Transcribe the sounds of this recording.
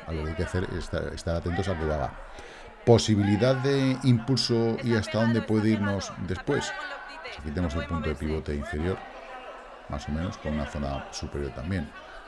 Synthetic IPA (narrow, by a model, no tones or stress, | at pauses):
alokeajkeaθe̞ɾḛst̪a̰ḛst̪aɾat̪e̞nt̪o̞sakeaɣa̰ | po̞siβ̞iliðaðe̞impulsoiast̪aðo̞nd̪e̞pwe̞ðeiɾno̞zd̪e̞spwe̞s | o̥sakit̪enemose̞lpunt̪oðepiβ̞o̞t̪e̞iɱfe̞ɾjo̞ɾ | mʔa̰so̞mẽno̞sko̞nunaθo̞nasupe̞ɾjo̞ɾt̪ambje̞n